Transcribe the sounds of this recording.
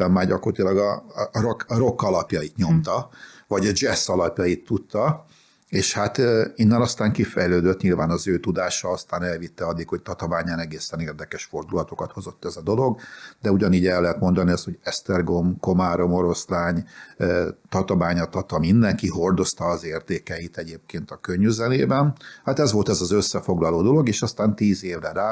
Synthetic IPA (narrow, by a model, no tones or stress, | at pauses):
ɛmːaːɟɒkorɑt̪ilɒɡɒrokɾo̞kːɒlɒpjɒit̪ɲo̞mt̪ɒvɒɟɒd͡ʒɛsɒlɒpjɒit̪ːut̪ːɒ | eːʃhat̪ːinːɛnɒst̪aːŋkifɛjløːd̪øt̪ɲilvaːnɒzøːt̪ud̪aːʃɒɒst̪aːnɛlvit̪ːɛɒd̪ːikho̞c̚t̪ɒt̪ovaːɲaːnɛɡeːsɛneːrd̪ɛkɛʃfo̞rd̪ulɒt̪o̞kɒt̪ho̞zo̞t̪ːɛzɒd̪o̞lo̞ɡd̪ɛuɟɒniːɟɛlːɛɦɛt̪mo̞nd̪ɒniɒst̪ho̞ɟɛst̪ɛrɡomko̞maːɾo̞mo̞ɾo̞slaːɲː | t̪ɒt̪ɒmaːɲɒt̪ɒt̪ɒmind̪ɛŋkiɦo̞rd̪o̞st̪ɒːzeːrt̪eːkɛjit̪ɛɟeːp̚keːnt̪ɒkøɲːyzɛneːbɛnhat̪ɛzʋo̞lt̪ɛzɒzøsːɛfo̞ɡlɒloːd̪o̞lo̞ɡeːʃɒst̪aːnt̪iːzeːvrɛɾaː